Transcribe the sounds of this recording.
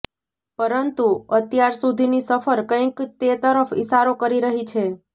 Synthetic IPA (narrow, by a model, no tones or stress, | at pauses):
pəɾənt̪uət̪jaɾsud̪ʱinisəfəɾkə̃jkt̪et̪əɾəfɪ̰ʃaɾokəɾiɾəɦit͡ʃʰe